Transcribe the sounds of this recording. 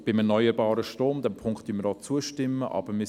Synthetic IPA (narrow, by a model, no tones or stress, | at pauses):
b̥ɪmɛrnœʏəɾbɑːɾəʃtɾoːmd̪ɛmpʰʊŋkt̪d̥ynməɾɔt͡suəʃtɪmːəʔɑ̰b̥əɾmɪ